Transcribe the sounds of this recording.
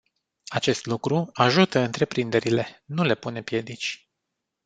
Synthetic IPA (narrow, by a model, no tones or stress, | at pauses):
at͡ʃe̞st̪lukɾuaʒut̪əɨnt̪ɾe̞pɾind̪e̞ɾile̞nule̞pune̞pje̞d̪it͡ʃʲ